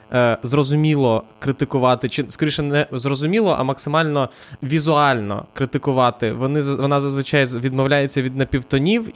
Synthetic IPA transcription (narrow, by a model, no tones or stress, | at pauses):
zrɔzʊmʲilˠɔkɾɪt̪ɪkʊʋɑt̪ɪt͡ʃɪskɔɾʲiʃɛnɛzrɔzʊmʲilˠɔʔɐ̰mɐksɪmɑlʲnɔ | ʋʲizʊɑlʲnɔ̰kɾɪt̪ɪkʊʋɑt̪ɪʋɔnɪzʋɔnɑzɐzʋɪt͡ʃɑjzʋʲid̪mɔwlʲajet͡sʲːɐʋʲid̪nɐpʲiwt̪ɔnʲiw